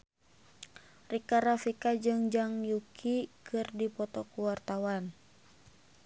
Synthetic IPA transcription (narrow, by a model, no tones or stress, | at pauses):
rikaɾafikad͡ʒɨŋd͡ʒaŋjukʰikʰɨrdipɔt̪ɔkuwart̪awan